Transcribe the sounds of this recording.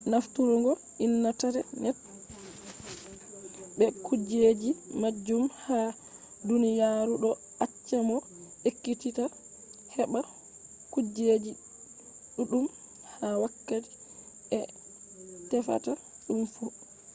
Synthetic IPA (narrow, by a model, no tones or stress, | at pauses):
naftuɾɔŋɡɔ | inːataɾɛnɛt̚ | bɛkud͡ʒed͡ʒimad͡ʒːumha | dunijaɾuɗɔ | ʔat͡ʃːamɔ | ʔekːitita | hɛɓa | kud͡ʒed͡ʒi | ɗuɗum | hawakːati̥ | ɛ | tɛfa̰ta | ɗumfu